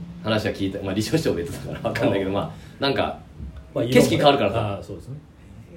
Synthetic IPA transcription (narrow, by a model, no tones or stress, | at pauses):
hanaɕiβakʲiːt̪amaɾʲiɕoːɕi̥t̪obet̪ːet̪aka̰ɾaβakãnːajke̞d̪oma̰ːnãŋka̰ | ke̞i̥kʲikaβaɾɯkaɾasasod̪esn